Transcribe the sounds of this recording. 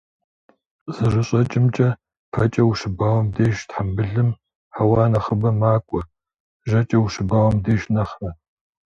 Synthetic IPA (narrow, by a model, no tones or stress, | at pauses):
z̥ɨʐɨɕʼɐt͡ʃʼɪmt͡ʃʼɐ | pʰɐt͡ʃʼɐwuʂɨbaːwɐmdeːʃtħambɨɮɨm | ħawɑːnɐχəbɐmaːkʷʼɔ | ʒɐt͡ʃʼɐwuʂɨbaːwɐmdeːʒnɐχrɐ